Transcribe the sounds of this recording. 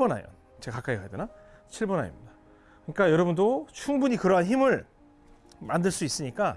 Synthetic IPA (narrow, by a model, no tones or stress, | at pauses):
bʌna̰jʌ̰n | t͡ɕekak͈aikajidena | t͡ɕʰiɭbʌnajo̰mɲida | kɯɲik͈ajʌɾʌbundot͡ɕʰuŋbuɲikɯɾʌɦançimɯɭ | mandɯɭs͈uis͈ɯɲik͈a